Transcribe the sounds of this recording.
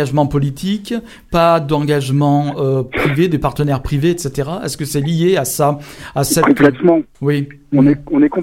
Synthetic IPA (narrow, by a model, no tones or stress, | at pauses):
aʒmɑ̃pɔlit̪ʰik | pad̪ɑ̃ɡaʒmɑ̃øpχived̪epaʁt̪ənɛʁpχiveɛt̪set̪eʁaɛ̰skəsɛlijeasaasɛkɔ̃p̪lɛt̪mɑ̃wi | ɔ̃nɛɔ̃nɛkɔ̃